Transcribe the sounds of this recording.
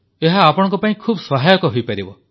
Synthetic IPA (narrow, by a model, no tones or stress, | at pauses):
eɦaːpɔɽ̃ŋkɔpaĩkʰubsɔɦajɔkɔɦojpaɾibɔ